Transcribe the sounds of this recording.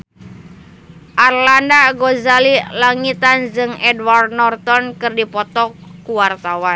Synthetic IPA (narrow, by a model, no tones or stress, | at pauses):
ʔarlandaɡɔzalilaŋit̪and͡ʒɨŋɛdward̪nɔrt̪ɔnkɨrdipɔt̪ɔkːuwart̪awa